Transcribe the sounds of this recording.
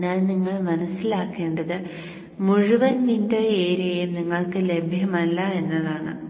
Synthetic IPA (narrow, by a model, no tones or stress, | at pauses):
ɲaːnniŋːɐɭmɐnɐsːilaːkːe̞ːɳɖɐðɨ | muɻuʋɐnnindo̞ːeːɾujɐjumniŋːɐɭkɨle̞bʱjɐmɐlːɐe̞nːɐðaːɳɨ̰